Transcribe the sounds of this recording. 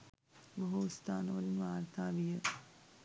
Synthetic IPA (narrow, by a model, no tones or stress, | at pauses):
bəɦuust̪aːnəʋɐɾinʋaːɾt̪ʰaːʋijə